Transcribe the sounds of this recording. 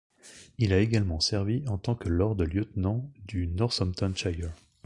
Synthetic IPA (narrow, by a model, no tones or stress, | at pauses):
ilaeɡalmɑ̃sɛʁviɑ̃t̪ɑ̃kəlɔʁd̪əljət̪nɑ̃d̪ynɔʁsɔmt̪ɔ̃nʃajɛ